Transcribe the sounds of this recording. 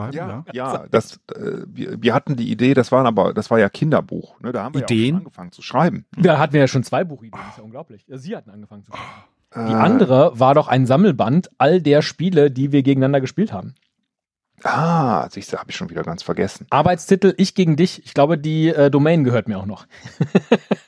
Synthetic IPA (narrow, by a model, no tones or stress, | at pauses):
jaːjaːd̥asɛ̰ːvḭɐviːɐhatn̩diːʔḭdeːdasv̥aːənʔaːbɐ̰d̥asv̥aːɐjaːkʰɪndɐ̰bṵːxnədaːhaːm̩ideːənnɡəfaŋənt͡su̥ʃʁ̥aɪbm̩daːɦatn̩viɐjaːʃoːnt͡sv̥aɪbuːxʔideːnɪsjaːʊnŋɡlaʊplɪçjaːziːhatn̩ʔanɡəfaŋənt͡sua | ʔɛːdiːʔandəʁ̞əvaːɐɾɔχʔa̰ɪnzaml̩bantʔaldeːɐʃpiːlədiːviːɐɡeːɡŋ̩nandɐɡəʃpiːltha̰ːbm̩ | ʔa̰ːzisd̥ahaːbəɪçʃoːnviːdɐɡant͡sfɛɐɡɛsn̩ʔaɐbaɪt͡stʰɪtl̩ʔɪçɡ̥eːɡŋ̩dɪçʔɪçɡ̥laʊbədiːʔɛːdomɛːnɡəhøːɐt̚miɐaʊxnɔχ